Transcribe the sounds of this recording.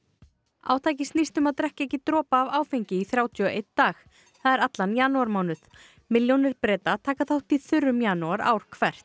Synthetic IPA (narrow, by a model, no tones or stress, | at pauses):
a̰ːwt̪ʰaːjcɪst̪nist̪ʏmaðt̪ɾɛhcɛhcɪt̪ɾɔːpaːvaːwfejɲcɪiθɾjaːwt̪ʰʏɔʔejt̪d̪aːx | θaðɛɾat̪lanjanːuaɾmaːwnʏθ | mɪljownɪɾpɾɛːt̪at̪ʰaːkaθawht̪iθʏɾːʏmjanuaɾa̰ːwɾ̥kʰvɛr̥t̪